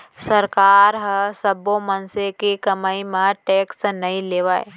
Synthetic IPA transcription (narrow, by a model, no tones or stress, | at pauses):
səɾkaːɾɦəsəbomənsekikɐmaːimãʈeːksnɐĩleːʋaːḛ